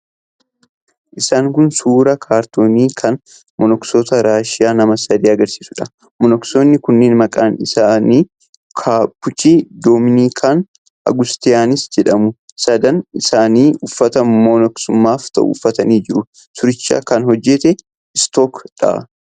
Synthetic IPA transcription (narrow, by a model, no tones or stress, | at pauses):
ʔɪsaːŋkʊnsuːɾɐkʰaːɾt̪oːniːkʰɐn | mɔnɔksot̪ɐɾaːʃɪjaːnɐmɐsɐd̪iːɐɡɐɾsiːsʊᶑɐ | mɔnɔksoːnːɪkʊnːeːnmɐkʼaːnɪsaːniː | kʰaːpːʊt͡ʃiːd̪oːmɪniːkʰaːn | ɐ̰ɡʊst̪ɪjaːnɪsd͡ʒɛᶑɐmʊsɐd̪ɐnɪsaːniːʊfːɐt̪ɐmɔnɔksʊmːaːft̪ɐ̰ʔʊ̰ːfːɐt̪ɐniːd͡ʒɪɾʊ | sʊɾɪt͡ʃːa̰ːkɐnhɔd͡ʒːɛt̪ɛ | ɪst̪oːkᶑa̰